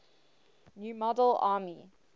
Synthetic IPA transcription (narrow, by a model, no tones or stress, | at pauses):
njuːmɔdəlaːmi